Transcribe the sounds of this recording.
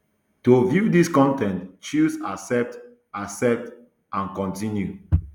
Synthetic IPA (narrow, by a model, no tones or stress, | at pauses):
tovjudiskɔ̃ntɛ̃ntt͡ʃuzasɛp̚t | ʔasɛp̚t | ãnkɔ̃ntĩnju